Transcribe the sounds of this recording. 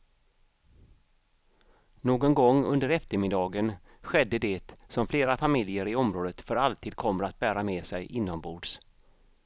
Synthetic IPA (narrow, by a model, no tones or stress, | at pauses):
noːɡɔnɡɔŋːɵnd̪əɾɛft̪əɾmɪd̪ɑːɡən | ɧɛd̪ːəd̪ɛt̪sɔmfleːɾafamɪljəɾɪɔmɾoːd̪ət̪fœɾalt̪ʰiːd̪̚kʰɔmːəɾat̪̚bæːɾamɛːsɛjʔɪnːɔmbuːɖs